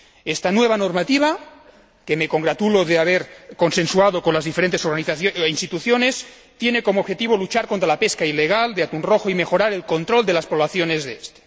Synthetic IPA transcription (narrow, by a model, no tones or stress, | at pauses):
est̪anweβ̞anoɾmat̪iβ̞a | kemekoŋɡɾat̪uloðeaβ̞eɾkonsensuað̞okonlazðifeɾent̪esoɾɣaniθainst̪it̪uθjones | t̪jenekomoːβxet̪iβ̞olut͡ʃaɾkont̪ɾalapeskaileɣ̞ald̪eat̪unroxoimexoɾaɾelko̞nt̪ɾold̪elaspoβlaθjonezðeest̪e̥